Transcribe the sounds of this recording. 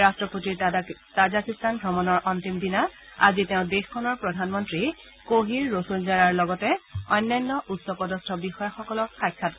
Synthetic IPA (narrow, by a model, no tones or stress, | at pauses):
astɹɔpotiɹtazakistʰanɡʱɹɔmɔnɔɹʔɔntimdinaa̰ziteʊ̃dexkʰɔnɔɹpɹɔdʱanmɔntɹi | koɦiɹːosonzaɹaɹlɔɡɔtɛɔjnːajnːɔʔutsɔpɔdɔstʰɔbixɔjaxɔkɔlɔkxajkʰːat